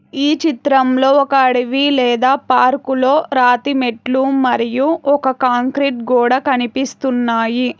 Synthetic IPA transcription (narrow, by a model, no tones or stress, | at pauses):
iːt͡ʃit̪ɾɐmlo̞ːɔkɐɐɽiʋilɛːd̪aːpaːɾkulo̞ːɾaːt̪imeʈlumɐɾijuɔkɐkaːŋkɾiʈ̚ɡuːɽaːkɐnipist̪unːaːji